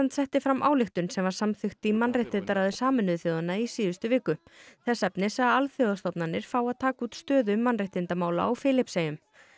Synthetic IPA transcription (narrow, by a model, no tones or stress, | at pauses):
ant̪sɛht̪ɪfɾamːʔa̰ːwlɪxt̪ʏnsɛmvaɾ̥samθʏxt̪ɪmanrɪjht̪ɪnt̪aɾaðʏsaːmɪnːʏðθjoːðanːaisiːðʏst̪ʏvɪːkʏθɛsːɛpnɪsɛaalθjowðast̪ɔwpnanːɪɾ̥faːwaðt̪ʰaːkuːt̪st̪œːðʏmanrɪht̪ɪnt̪amaːwla̰awfɪːlɪpseːjʏm